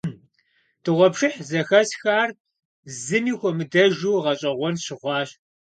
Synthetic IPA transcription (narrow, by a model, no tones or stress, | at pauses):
d̥ʰɨʁʷɔpʂɨħzɐxɐsxaːr | zɨmiːxʷɔmɨdɐʒuːʁɐɕʼɐʁʷɔnɕɪʁʷɑːɕ